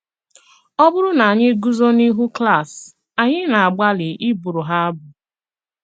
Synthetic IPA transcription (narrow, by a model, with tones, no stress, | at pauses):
ɔ˦bʊ˦ɾʊ˦na˨a˨ɲɪ˦ɡu˦zo˦ni˦ɦu˦kla˦˨s | a˨ɲɪ˦na˨a˨ɡ͡ba˦lɪ˨ʔɪ˦bu˨ɾʊ˨ɦa˦a˦bʊ˨